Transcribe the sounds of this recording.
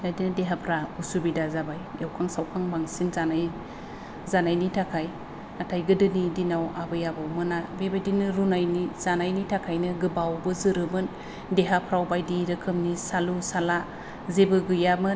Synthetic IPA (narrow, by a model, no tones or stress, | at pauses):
ajdinɯdeɦapʰɾausubidazabajewkʰaŋsawkʰaŋbaŋsinzanaj | zanajnitʰakʰaj | atʰajɡɯdɯnidinawabɯjabawmɯnabebajdinɯɾunajniz̥anajnitʰakʰajnɯɡɯbawbɯzɯɾɯmɯn | deɦapʰɾawbajdiɾɯkʰɯmnisalusala | zebɯɡɯjamɯ